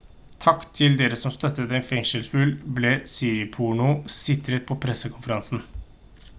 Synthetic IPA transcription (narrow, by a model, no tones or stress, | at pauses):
t̪ʰɑkt̪ʰɪld̪eːɾəsɔmst̪œt̪ːəd̪ɛnfɛŋʂəlfʉlbleːsiːpʰuɳʊsɪt̪ɾət̪̚pʰɔpʰɾɛsːəkʰʊnfəɾɑnsn̩